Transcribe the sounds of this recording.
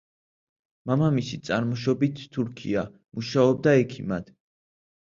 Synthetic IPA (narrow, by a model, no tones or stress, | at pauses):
mamamisit̪sʼaɾmɔʃ̬ɔbit̪ʰːuɾkʰḭa | muʃaɔb̚d̪aɛkʰimad̪̥